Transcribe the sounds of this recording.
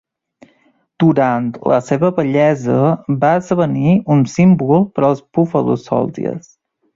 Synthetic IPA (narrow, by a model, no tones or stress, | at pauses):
d̪̥uɾant̪lə̰seβəβəʎɛzəbaəzðəβəniunsimbulˠpəɾəlˠspufəlṵsɔ̰lˠd̪ḭə̰s